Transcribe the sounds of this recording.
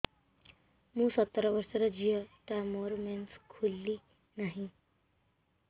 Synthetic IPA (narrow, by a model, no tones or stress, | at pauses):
muːsət̪ːɾəʋəɾsəɾəd͡ʑijəʈamoɾmenskʰulːiː | naɦi